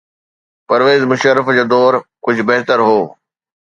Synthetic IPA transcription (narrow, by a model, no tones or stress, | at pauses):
pɐɾʋeːzmʊʃəɾəfd͡ʑoːd̪ɔːɾkʊd͡ʑʱbɐɦt̪əɾɦoː